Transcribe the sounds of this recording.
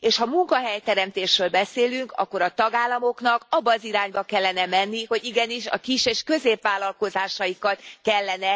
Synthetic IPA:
eːʃhɒmuŋkɒɦɛjt̪ɛɾɛmt̪eːʃɾøːlbɛseːlyŋkɒ̰kːo̞ɾɒt̪ɒɡaːlːɒmo̞kn̪ɒkɒbːɒziɾaːɲbɒkɛlːɛnɛmɛnːiho̞ɟiɡɛniʃɒ̰kiʃeːʃkø̞zeːpʋaːlːɒlko̞zaːʃɒjikɒt̪kɛlːɛnɛ

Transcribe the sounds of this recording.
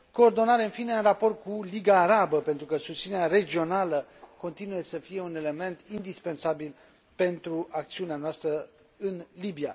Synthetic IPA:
ko̞ːrd̪o̞naɾeɨnfineɨnrapo̞rt̪̚kuliɡaːɾabəpent̪ɾukəsust̪sineɾaɾe̞d͡ʒio̞naləko̞nt̪inuje̞səfije̞une̞le̞me̞nt̪ind̪ispe̞nsabil | pe̞nt̪ɾuak̚t̪siuneanoast̪ɾə | ɨnlibia̰

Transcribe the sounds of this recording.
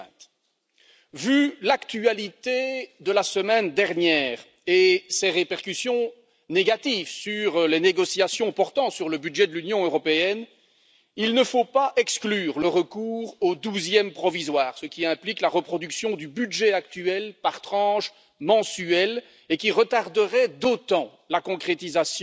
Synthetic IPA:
vylakt̪yalit̪ed̪əlasəmɛnd̪ɛʁnjɛːʁ | eseʁepɛʁkysjɔ̃ | neɡat̪ivsyʁleneɡɔsjasjɔ̃pɔʁt̪ɑ̃syʁləbyd̪ʒɛd̪əlynjɔ̃øʁɔpeɛn | ilnəfopaʔɛksklyːʁləʁəkuːʁod̪uzjɛmpχɔvizwaːʁsəkʲiɛ̃pliklaʁəpχɔd̪yksjɔ̃d̪ybyd̪ʒɛak̚t̪yɛlpaʁt̪χɑ̃ːʃ | mɑ̃syɛl | ekʲiʁət̪aʁd̪əʁɛd̪ot̪ɑ̃ | lakɔ̃kχet̪izasj

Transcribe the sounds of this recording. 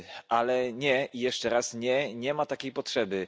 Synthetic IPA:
ʔalɛɲɛʔijɛʂt͡ʂɛɾasɲɛɲɛmat̪akʲejpɔtʂɛbɘ

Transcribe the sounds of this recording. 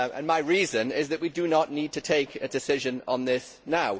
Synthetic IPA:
ə̰̃nmaɪɹiːzə̃nɪzðəʔwidənəʔniːd̚tʰətʰeɪkʰɨdɪsɪʒə̃nə̰̃nðɪs | naʊ

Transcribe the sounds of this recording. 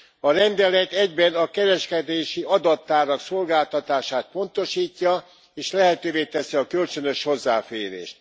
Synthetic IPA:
ɒɾɛnd̪ɛlɛt̪ɛɟbɛnɒkɛɾɛʃkɛd̪eːʃiɒd̪ɒt̪ːaːɾɒkso̞lɡaːlt̪ɒt̪aːʃaːt̪̚po̞nt̪o̞ʃiːcːɒ | eːʃlɛɦɛt̪øːveːt̪ɛsiɒkølt͡ʃø̞nø̞ʃho̞zːa̰ːfeːɾḛːʃt̪̚

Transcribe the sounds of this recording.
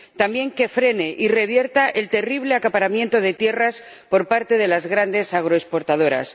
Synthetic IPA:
t̪ambje̞ŋke̞fɾe̞ne̞ʔire̞β̞je̞ɾt̪aʔe̞lt̪e̞riβ̞le̞akapaɾamje̞nt̪o̞ð̞e̞t̪je̞ras | po̞ɾpaɾt̪e̞ð̞e̞lazɣɾand̪e̞saɣ̞ɾoespo̞ɾt̪að̞o̞ɾa̰s

